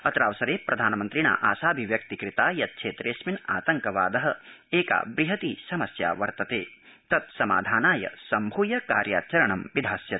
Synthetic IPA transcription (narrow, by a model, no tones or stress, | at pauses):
ɐt̪ɾaːʋɐsɐɾeːpɾɐd̪ʱaːnɐmɐnt̪ɾiɳa̰ːʔaːsaːbʱiʋjɐk̚t̪ikɾit̪aːjɐt̪̚kʃʰeːt̪ɾeːsmina̰ːt̪ɐŋkɐʋa̰ːd̪ɐɦɐ̆eːka̰ːbɾiɦɐt̪isɐmɐsja̰ːʋɐɾt̪ɐt̪eː | t̪ɐt̪̚sɐma̰ːd̪ʱaːnaːjɐ̰sɐmbʱuːjɐkaːɾja̰ːt͡ʃɐɾɐɳɐmʋid̪ʱaːsjɐt̪